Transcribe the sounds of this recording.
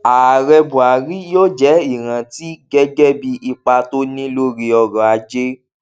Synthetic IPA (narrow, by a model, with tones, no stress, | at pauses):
a˨ɾɛ˧bũ˨a˨ɾi˨˦joː˦d͡ʒɛ˦i˦˨ɾ̃ã˧ti˦ɡɛ˦ɡɛ˦bi˦ʔi˧k͡pa˧to˦nĩ˦lo˦ɾi˧ɔ˧ɾɔ̃˨a˧d͡ʒe˦